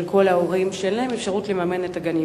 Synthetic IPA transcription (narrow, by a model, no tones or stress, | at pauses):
lkʰo̞laoʁimʃelaemefʃaʁutlemame̞netaɡani